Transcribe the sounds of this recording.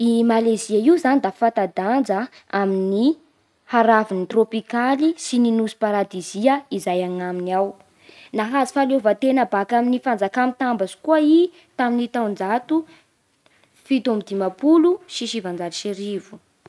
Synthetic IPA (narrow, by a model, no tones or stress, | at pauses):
imaleziaiuzanid̪afat̪ad̪and͡zə | amini | haɾavinit̪ropikalisininusi̥paɾad̪iziəizajaŋaminiaw | naɦazi̥falovat̪enəbakaminifand͡zakamit̪ambazi̥kuai | t̪aminit̪awnd͡zat̪u | fit̪omid̪imapuluʃiʃivand͡zaliʃiɾivu̥